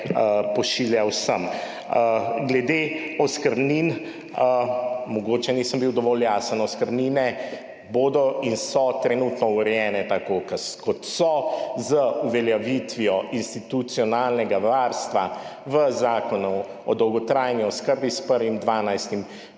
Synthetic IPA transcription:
pɔʃiljawsəm | ɡlɛd̪eɔskəɾnin | mɔɡoːt͡ʃɛniːsəmbiwd̪ɔʋɔːljaːsənɔskəɾninɛ | boːd̪ɔinsɔt̪ɾɛnut̪nɔuɾɛjɛːnɛt̪akokəskɔt̪sɔzəuʋɛljaʋit̪ʋiɔʔinst̪it̪ut̪sijɔnaːlnɛɡaʋaːɾst̪ʋaʋəzaːkɔnu | ɔd̪ɔwɡɔt̪ɾaːjniɔskəɾbispəɾʋimd̪ʋaːnajst̪im

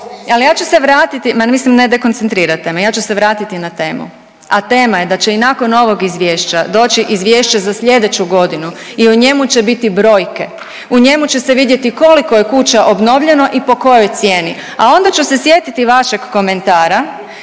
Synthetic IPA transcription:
alijaːt͡ʃuse̞ʋɾaːt̪it̪imamislimned̪eko̞nt̪sent̪ɾiːɾat̪ːemejaːt͡ɕuse̞ʋɾaːt̪it̪inat̪e̞ːmṵ | at̪e̞ːmaje̞d̪at͡ɕe̞inako̞no̞ʋo̞ɡizʋje̞ːʃt͡ɕad̪o̞ːt͡ɕiʔizʋje̞ːʃt͡ɕazasʎʲe̞d̪e̞t͡ɕuɡo̞d̪inuiuɲe̞mut͡ɕe̞bit̪ibɾo̞ːjke̞ | uɲe̞mut͡ɕe̞seʋid̪je̞t̪iko̞liko̞je̞kut͡ɕaʔobno̞ʋʎe̞no̞ʔipo̞ko̞jojt̪sje̞ːni | ao̞nd̪at͡ɕuse̞sje̞t̪it̪iʋaʃe̞ɡːome̞nt̪aːɾa

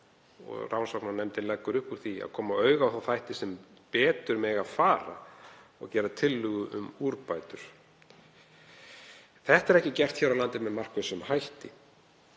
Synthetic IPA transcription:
ɔ̰ɣrʔawnsɔknanɛmt̪ɪlɛkːʏɾʏhpuɾ̥θia̰ðkʰɔːmaœːɥɣawθawθajht̪ɪsɛm | pɛːt̪ʏɾmɛːɣafaːɾa̰ | ɔ̰ɣcɛːɾat̪ʰɪlːʏɣʏʏ̰muɾpaːjt̪ʏɾ̥ | θɛht̪ɛɾɛhcɪcɛr̥t̪çɛɾawlant̪ɪmɛðmar̥kvɪsʏmhajht̪ɪ

